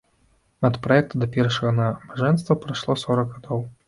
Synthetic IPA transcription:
nɐt̪pɾɐjɛkt̪ɐd̪ɐpʲɛrʂɐɣɐnɐmaʐɛnst̪vɐpɾaʂlˠɔsɔɾɐɡɣad̪ɔw

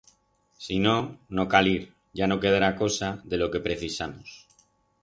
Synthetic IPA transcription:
sino̞no̞kaliɾ | ʝano̞ke̞ð̞aɾako̞saðe̞lo̞ke̞pɾe̞θisamos

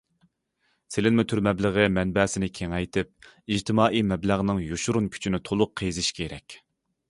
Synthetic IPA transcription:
sɪlɪnmɪt̪ʰyɾmɛbləʁəmɛnbɛːsɪnɪkʲʰeŋɛjt̪ʰɪp̚ | id͡ʒt̪ʰɪmɑːʔimɛblæʁnɨŋjoʃuɾunkʲʰy̥t͡ʃʰinɪt̪ʰolˠʊqʰːejzɪʃkʲʰeɾɛ̰kʲ

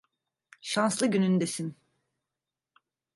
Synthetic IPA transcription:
ʃanslˠɯɟynynyd̪esin

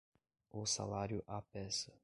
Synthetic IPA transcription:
ʊsa̰laɾjʊʔapɛsɐ

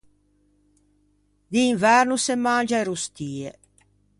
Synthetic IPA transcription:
d̪iːɱvɛɾnusemːand͡ʒaeɾust̪iːe

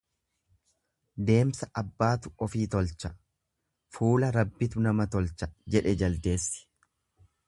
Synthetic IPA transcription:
d̪e̞ːmsɐʔɐbːaːt̪ʊ̥ɔfiːt̪ɔlt͡ʃɐ | fuːlɐɾɐbːɪt̪ʊnɐmɐt̪ɔlt͡ʃɐd͡ʒɛᶑɛd͡ʒɐld̪eːsːɪ̥

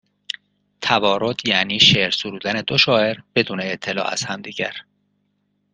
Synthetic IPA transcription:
t̪ʰævɒːɾo̞d̪̥jæːniːʃeɾsuɾuːd̪æne̞d̪oʃɒːʔe̞ɾb̥e̞d̪uːneːt̪ʰːe̞lɒ̰ːʔæ̰z̥hæmd̪iːɟæɾ

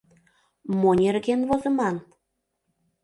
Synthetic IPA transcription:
monʲerɣenβozɤ̆mɑn

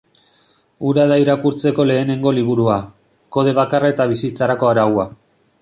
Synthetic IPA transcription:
uɾaðaiɾakuɾt͡se̞ko̞le̞ːne̞ŋɡo̞liβuɾua | ko̞ð̞e̞βakarae̞t̪aβ̞isit͡saɾako̞aɾawa

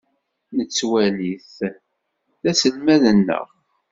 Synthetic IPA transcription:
nət͡sːwæliθ | θæsəlmæðənːə̰ʁ

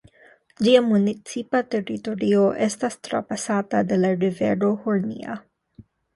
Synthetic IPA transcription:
d͡ʒiamunit͡sipat̪eɾit̪oɾioʔest̪ast̪ɾa̰pasat̪ad̪elaɾiveɾohuɾnḭa̰

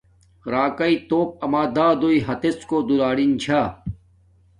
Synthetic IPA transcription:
ɾaːkɐit̪oːp̚ɐmaːd̪aːd̪oːiɦɐt̪eskoːd̪uɾaːɽint͡ɕʰaː

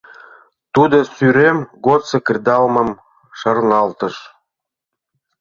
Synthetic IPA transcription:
t̪ud̪osyɾemɡot̪sĕkrʲd̪ɑlmə̆m | ʃərnɑlt̪ə̆ʃ

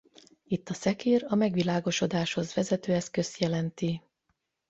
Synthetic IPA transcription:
it̪ːɒsɛkeːɾɒmɛɡʋilaːɡo̞ʃo̞d̪aːʃho̞zʋɛzɛt̪øːɛskø̞st̪jɛlɛnt̪i

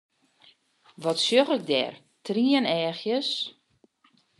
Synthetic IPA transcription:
ʋɔtsjøɣɪk̚dɛ̰r | triənɛːxjəs

